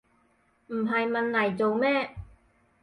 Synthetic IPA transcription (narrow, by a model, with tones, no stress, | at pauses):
m̩˨˩ɦɐ˨jmɐ˨nlɐ˨˩jt͡so˨wmɛː˥